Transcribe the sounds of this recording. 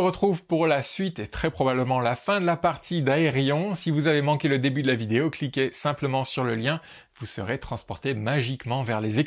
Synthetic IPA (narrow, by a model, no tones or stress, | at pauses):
ʁət̪χuvpuʁlasɥit̪et̪χɛpχɔbabləmɑ̃lafɛ̃d̪əlapaʁt̪ʰid̪aeʁjɔ̃sivuzavemɑ̃kʲeləd̪ebyd̪əlavid̪eoklikʲesɛ̃pləmɑ̃syʁləljɛ̃ | vusə̰ʁet̪χɑ̃spɔʁt̪emaʒikmɑ̃vɛʁleze